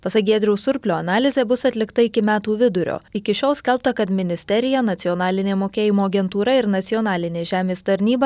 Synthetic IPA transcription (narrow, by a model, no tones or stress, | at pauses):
pɐsɐk̚ɡʲeːd̪ʲɾʲɛʊsʊɾʲpʲlʲoːɐnɑːlʲɪzʲeːbʊsɐt̪ʲlʲɪkt̪ɐɪkʲɪmʲæːt̪uːʋʲɪd̪ʊɾʲo̰ːɪkʲɪʃʲoːlˠsʲkʲɛlˠp̚t̪ɐkɐt̪mʲɪnʲɪsʲt̪ʲɛɾʲɪjɛnɐt̪sʲɪɔnɑːlʲɪnʲeːmoːkʲeːjɪmoːɐɡʲɛnt̪uːɾɐɪɾnɐt̪sʲɪɔːnɑːlʲɪnʲeːʒʲæːmʲeːst̪ɐɾʲnʲiːbɐ